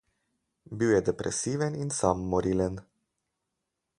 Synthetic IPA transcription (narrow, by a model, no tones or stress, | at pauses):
biwjɛd̪ɛpɾʔɛ̰siːʋɛninsamːɔɾiːlən